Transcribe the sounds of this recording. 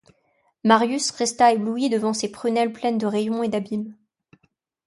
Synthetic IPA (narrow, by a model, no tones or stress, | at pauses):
maʁjysʁɛst̪aebluid̪əvɑ̃sepχynɛlplɛnd̪əʁejɔ̃ed̪abim